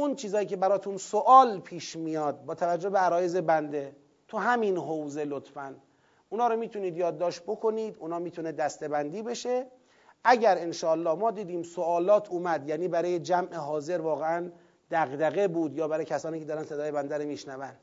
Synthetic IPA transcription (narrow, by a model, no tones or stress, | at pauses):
ʔunt͡ʃʰiːzɒːjiːcʰe̞bæɾɒːt̪ʰunsoʔɒːlpʰiːʃmijɒːd̪̚bɒːt̪ʰævæd͡ʒːobeæɾɒːjeze̞bænd̪e̞ | t̪ʰuɦæminɦowze̞lot̪ʰfæn | ʔunɒːɾomiːt̪ʰuniːd̪jɒːd̪ːɒːʃt̪̚bo̞kʰo̞niːd̪unɒːmiːt̪ʰuned̪æst̪e̞bænd̪iːbe̞ʃe | ʔæɟæɾenʃɒːlːɒːhmɒːd̪iːd̪iːmsoʔɒːlɒːt̪ʰuːmæd̪jæːniːbæɾɒːjed͡ʒæmʔeɦɒːze̞ɾvɒːɣeæn | d̪æɣd̪æɣebuːd̪jɒːbæɾːjecʰæsɒːniːcʰe̞d̪ɒːɾænse̞d̪ɒːje̞bænd̪æɾomiːʃnævæn̥